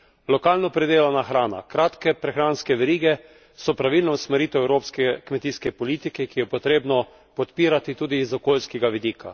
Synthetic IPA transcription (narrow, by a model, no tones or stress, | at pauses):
lɔkaːlnɔpɾɛd̪eːlanaxɾaːna̰kɾaːt̪kɛpɾɛxɾanskɛʋɛɾiːɡɛ | sɔpɾaʋilnɔusmɛɾiːt̪ɛɛwɾoːpskɛkmɛt̪iːskɛpɔliːt̪ikɛkijɛpɔt̪ɾeːbnɔ | pɔt̪piːɾat̪it̪uːd̪izɔkoːlskɛɡaʋid̪iːkʰa̰